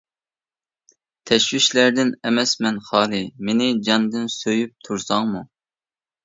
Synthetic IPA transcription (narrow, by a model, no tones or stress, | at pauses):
t̪ʰɛʃwiʃlæɾd̪ɪnɛmɛsmɛnχɑːlˠɨmenɪd͡ʒɑnd̪ɨnsøjyp̚t̪ʰuɾsɑŋmu